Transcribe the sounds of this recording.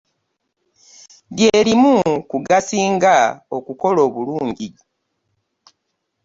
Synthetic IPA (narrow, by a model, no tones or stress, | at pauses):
ɡjeːlimukuɡasiːŋɡao̞kuko̞lo̞ːβuluːɲɟi